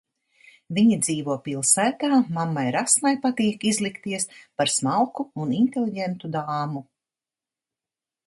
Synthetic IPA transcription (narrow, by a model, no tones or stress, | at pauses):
viɲid̪ziːvuɔpilˠsæːt̪aːmamːajɾasmajpat̪iːkizlˠikt̪iɛspaɾsmalˠkuuninʲt̪elʲˠiɟɛnt̪ud̪aːmu